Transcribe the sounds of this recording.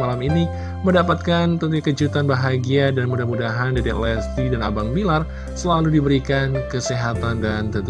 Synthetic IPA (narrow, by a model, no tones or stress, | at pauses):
alamini | məndapat̪̚kant̪ənt̪ukəd͡ʒut̪anbaɦaɡiadanmudahmudaɦandaɾiʔlɛst̪idana̰baŋbilar | səlaludibəɾikankəsiɦat̪andant̪ənt̪